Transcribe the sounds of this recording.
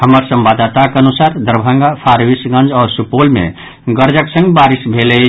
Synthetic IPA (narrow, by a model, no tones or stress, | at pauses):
həməɾsə̃mbad̪at̪akeənusaːɾd̪əɾbʱə̃ŋɡapʰaːɾʋisɡə̃nd͡ʒɔːɾsupolmḛ̃ | ɡəɾd͡ʒəksə̃ŋɡbaːɾisbʱele